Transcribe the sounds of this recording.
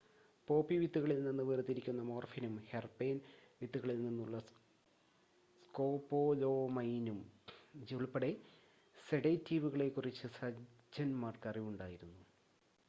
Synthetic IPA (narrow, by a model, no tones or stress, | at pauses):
po̞ːpːiʋit̪ːuɣɐɭilninːɨʋeːrɨt̪ːiɾikʲːunːɐmo̞ːrfinumherpeːnʋit̪ːuɣɐɭilninːuɭːɐ | sko̞ːpːo̞ːlo̞ːmɐjnumd͡ʑiɭpːɐɽe | seɽɐjtːiːʋuɣɐɭe̞kːurit͡ɕːɨsɐ | d͡ʑɐnmaːrkɐriʋuɳɖaːjiɾunːu